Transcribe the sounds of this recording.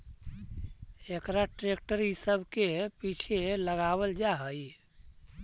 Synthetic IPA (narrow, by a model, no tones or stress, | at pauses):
ekɾaʈɾek̚ʈəɾisəbʱkepit͡ʃʰeləɡabəld͡ʒaɦəj